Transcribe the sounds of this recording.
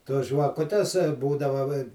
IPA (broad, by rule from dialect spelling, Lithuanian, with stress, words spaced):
toːs ʒʋɐˈkʊtʲɛs ˈbuːdɐʋɐ ʋɐ ɪ